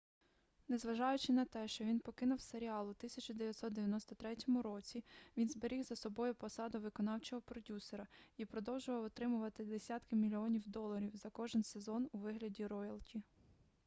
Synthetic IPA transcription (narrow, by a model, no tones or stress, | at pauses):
nezʋɐʒɑjʊt͡ʃɪnɐt̪ɛʃt͡ʃɔʋʲinpɔkɪnʊwseɾʲiɑlˠʊt̪ɪsʲɐt͡ʃʊd̪eʋʲjɐt̪ʲsɔt̪d̪eʋʲjɐnɔst̪ɔt̪ɾɛtʲɔmʊɾɔt͡sʲiʋʲinzbeɾʲiɣzɐsɔbɔjʊpɔsɑd̪ʊʋɪkɔnɑwt͡ʃɔɦɔpɾɔdʲuseɾɐipɾɔd̪ɔwʒʊʋɐwɔt̪ɾɪmʊʋɐt̪ɪd̪esʲat̪kɪmʲilʲiɔnʲiwd̪ɔlˠːɐɾʲiwzɐkɔʒɪnsezɔnuʋɪɦlʲɐdʲiɾɔjɐlˠtʲi